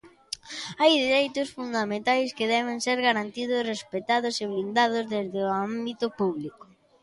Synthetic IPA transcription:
ajðeɾejt̪ʊsfund̪amẽnt̪ajskɪðɛβ̞ɪŋseɾɣaɾant̪iðʊsrespet̪aðʊseβlind̪aðʊzðezðɪambit̪ʊpuβlikʊ̥

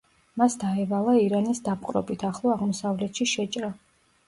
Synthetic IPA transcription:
masd̪aɛvalˠaiɾanisd̪ap̚qʼɾɔ̰bit̪ʰaχlˠɔaʁmɔsavlɛt̪ʃiʃɛt͡ʃʼɾa

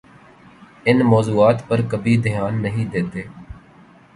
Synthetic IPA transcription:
ɪnmɔːzuːaːt̪pəɾkəbʱiːd̪ɪjaːnːəɦĩːd̪eːt̪eː

